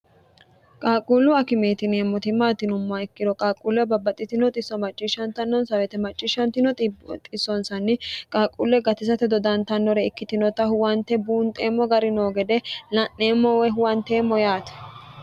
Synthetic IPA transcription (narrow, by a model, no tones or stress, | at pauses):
kʼaːkʼulʊɐkɪmeːt̪ɪneːmːɔt̪ɪmaːt̪ɪnʊmːaɛkːɪd̪ɔkʼaːkʼulɛbɐbːɐt̪ʼːɪt̪ɪnɔt̪ʼɪsːɔmɐt͡ʃʼːiʃɐnt̪ɐnːɔnsɐwɛt̪ɛmɐt͡ʃʼːɪʃɐnt̪ɪnɔt̪t̪ʼɪsːɔnsɐnːɪkʼaːkʼulːɛɡɐt̪ɪsɐt̪ɛd̪ɔd̪ɐnt̪ɐnːɔɾɛɪkːɪt̪ɪnɔt̪ɐhʊwɐnt̪ːɛbuːnt̪ʼeːmːɔɡɐɾɪno̞ːɡɛd̪ɛlɐnːe̞ːmːɔwɛɦʊwɐnt̪e̞ːmːɔjaːt̪ɛ̥